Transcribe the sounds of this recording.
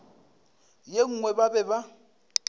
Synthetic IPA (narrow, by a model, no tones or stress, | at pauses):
jeŋ̩ŋwɛbabɛba